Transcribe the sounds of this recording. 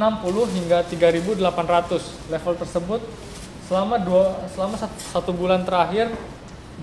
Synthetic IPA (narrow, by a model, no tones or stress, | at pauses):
ənampulʊhɦiŋɡat̪iɡaɾibudəlapanrat̪ʊs | lɛfəlt̪ərsəbʊt̪̚ | səlamadusəlamas | sat̪ubulant̪əɾaɦɪr